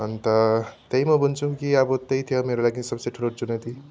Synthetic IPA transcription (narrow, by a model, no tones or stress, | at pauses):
ɦʌnt̪ʌt̪ʌimʌbunt͡sʰukiʌbʌt̪ʌit̪ʰijomeɾolaɡisʌbseʈʰulot͡sunet̪i